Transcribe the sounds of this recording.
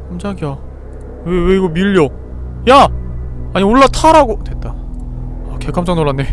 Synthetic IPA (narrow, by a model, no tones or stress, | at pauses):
kamd͡ʑaɡia | weweiɡomiʎːo | ja | aɲioɭːatʰaɾaɡotwe̞t̚t͈a | ake̞kʰamt͡ɕ͈aŋnoɭːanːe̞